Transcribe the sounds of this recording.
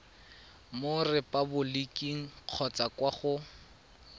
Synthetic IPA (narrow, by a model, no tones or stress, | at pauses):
mʊrɪpʼabʊlikʼiŋ̩q͡χʰɔt͡sakwaχʊ